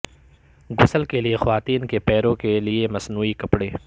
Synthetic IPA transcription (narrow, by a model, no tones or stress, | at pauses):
ɡʊsəlkeliexɐʋaːt̪iːnkepɛːɾõkeliemɐsnuːikɐpɽeː